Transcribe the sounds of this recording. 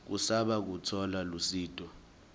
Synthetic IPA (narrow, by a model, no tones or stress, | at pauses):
k̬usaɓak̬utʰɔlalusiːtʼɔ